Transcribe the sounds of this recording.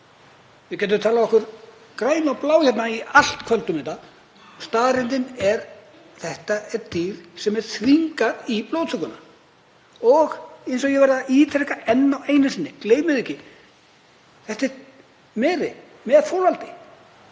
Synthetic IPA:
vɪcɛːt̪ʏmt̪ʰaːlaɔhkʏɾ | kɾaːjnawplaːwçɛt̪naial̥t̪kʰvœlt̪ʏmɪnt̪a | st̪aːɾɪnt̪ɪnɛɾ | θɛht̪aɛt̪iːɾ̥sɛmɛɾ̥θɾiŋkaɾiploːwt̪ʰʏkʏna | ɔɣejnsɔɣjɛɣvɛɾðaiːt̪ʰɾɛhkaɛnːaweːjnsɪnːɪkleːjmɪðɛhcːɪ | θɛht̪ɛt̪ | mɛːɾɪ | mɛðfoːlvalt̪ɪ̥

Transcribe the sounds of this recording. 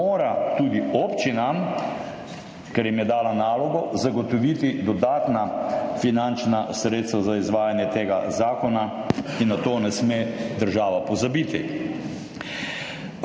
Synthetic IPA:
oːɾat̪uːd̪ioːpt͡ʃinam | kɛɾjɛmjɛd̪aːlanaːlɔɡɔzaɡɔt̪ɔʋiːt̪id̪ɔd̪aːt̪nafinant͡ʃnasɾeːt̪st̪ʋazaizʋaːjanjɛt̪eːɡa̰zaːkɔnainːat̪oːnɛsmed̪əɾʒaːʋapɔzabiːt̪i

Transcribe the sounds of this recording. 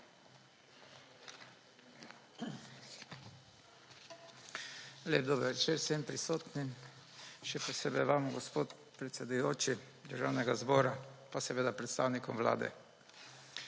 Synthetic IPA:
leːb̚d̪oːbəɾʋɛt͡ʃeːɾsɛmpɾisoːt̪nim | ʃɛpɔseːbɛjʋaːmɔɡɔspoːt̪ | pɾɛt̪sɛd̪ujoːt͡ʃi | d̪əɾʒawnɛɡazbɔːɾapasɛʋeːd̪apɾɛt̪st̪awnikɔmʋla̰ːd̪ɛ̰

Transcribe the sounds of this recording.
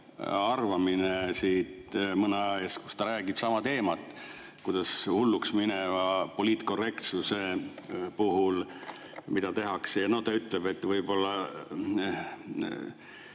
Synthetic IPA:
ɑrvɑminesiːt̪mɤnɑeːsku̥st̪ɑɾæːɡ̥ib̥sɑmɑt̪e̞ːmɑt̪ːˑ | kud̪̥ɑshulːuksminevɑpo̞liːt̪ˑko̞re̞kt̪suse̞puɦul | mid̪̥ɑt̪e̞ɦɑksejɑno̞t̪ɑyt̪ˑleb̥e̞t̪ːˑvɤjb̥o̞lːɑ

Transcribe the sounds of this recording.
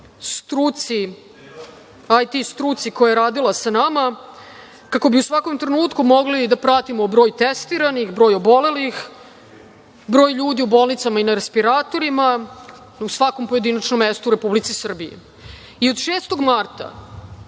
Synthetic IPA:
st̪ɾut̪si | ajt̪ist̪ɾuːt̪sikojaeɾaːd̪ilˠasanama | kako̞biusʋako̞mt̪ɾenuːt̪kumo̞ɡlid̪apɾat̪imo̞bɾo̞ːjt̪est̪iɾanixbɾo̞ːjobo̞le̞lix | bɾoːjʎuːd̪iubo̞ːlˠnit̪samainaɾespiɾaːt̪o̞ɾima | usʋako̞mpo̞jed̪inat͡ʃnomːest̪uɾe̞publit̪sisr̩bijḭ | iod̪ʃe̞ːst̪o̞ɡmaɾt̪a̰

